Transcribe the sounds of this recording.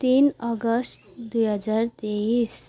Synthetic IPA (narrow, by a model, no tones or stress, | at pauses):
t̪inɔɡəsʈd̪ujɦəd͡ʒaɾt̪eis